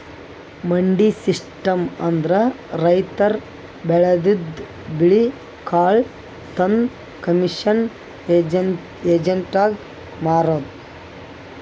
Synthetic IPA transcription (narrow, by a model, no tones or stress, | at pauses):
mɐɳɖisiʂʈɐmɐnd̪ɐɾɐ | ɾɐjt̪ɐɾ | bɛɭɐd̪id̪ | biɭi | kaːɭ | t̪ɐn | kɐmiʂɐn | ed͡ʒ | eːd͡ʒɐɳʈaːɡ | maːɾoːd̪